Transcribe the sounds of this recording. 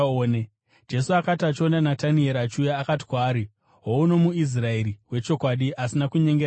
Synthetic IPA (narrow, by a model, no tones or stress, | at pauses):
one | d͡ʒe̞suakatat͡ʃondanatanie̞ɾat͡ʃujaːkati̥kwaːɾi | ɦouno̞muis̬rae̞ɾiwe̞t͡ʃo̞kwaɗiʔasinakuɲe̞ŋɡe